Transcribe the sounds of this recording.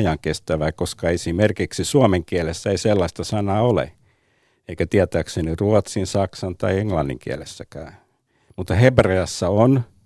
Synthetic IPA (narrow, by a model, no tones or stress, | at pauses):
jɑŋkest̪æʋæːkoskɑesimerkiksisuomeŋkiælesːæeiselːɑist̪ɑsɑnɑːolḛ | eikæt̪iæt̪æːkseniruot̪sinsɑksɑnt̪ɑieŋlɑnːḭŋkiæ̰lḛsːækæː | mut̪ːɑhebreɑsːɑon